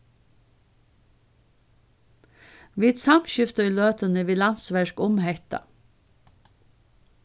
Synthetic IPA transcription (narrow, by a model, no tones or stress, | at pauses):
ʋit̪sɑmʃʏft̪əiːløːt̪ənəʋiːlɑnsʋæʃkʊmhɛçt̪ɑ̰